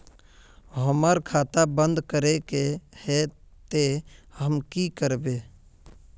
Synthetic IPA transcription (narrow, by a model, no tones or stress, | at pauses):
ɦəməɾkʰaːt̪abə̃nd̪kəɾekehet̪ehəmkikəɾbe